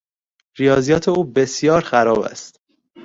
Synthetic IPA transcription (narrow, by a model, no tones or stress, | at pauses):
ɾijɒːzijɒːt̪ʰeuːbe̞sjɒːɾxæɾɒːbæ̰st̪